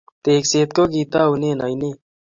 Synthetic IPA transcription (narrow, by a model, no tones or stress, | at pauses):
t̪eːkseːt̪̚koːɡiːt̪aːuneːnaineː